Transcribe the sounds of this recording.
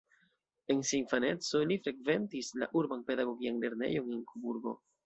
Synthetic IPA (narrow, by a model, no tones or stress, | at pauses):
e̞nsinfane̞t͡so̞lifɾe̞kve̞ntisla̰ʔuɾbanpe̞daɡo̞ɡianle̞ɾne̞̰jo̞nenkubuɾɡo̞̰